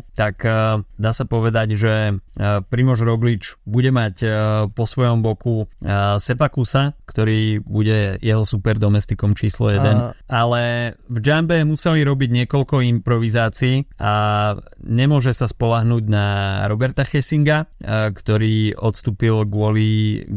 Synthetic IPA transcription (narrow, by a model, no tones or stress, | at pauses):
t̪akd̪aːsapɔʋɛd̪aɟʒɛ | pɾimɔʒɾɔɡlit͡ʃbuɟɛmacpɔsʋɔjɔmbɔkusɛpakusakt̪ɔɾiːbuɟɛjɛɦɔsupɛɾd̪ɔmɛst̪ikɔmt͡ʃiːslɔ̰jɛd̪ɛnalɛvd͡ʒambɛmusɛliɾɔbiɟɲɪɛkɔʎkɔimpɾɔʋizaːt͡siːʔa | ɲɛmʊɔʒɛsaspɔlaɦnuːɟnaɾɔbɛɾt̪axɛsiŋɡakt̪ɔɾiːɔt̪st̪uːpilɡʊɔli